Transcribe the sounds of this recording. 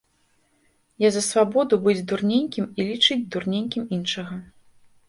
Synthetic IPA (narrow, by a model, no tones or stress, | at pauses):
jazɐsvabɔd̪ubɨd͡zʲd̪urnʲenʲkʲimilʲit͡ʂɨd͡zʲd̪urnʲenʲkʲiminʂɐɣɐ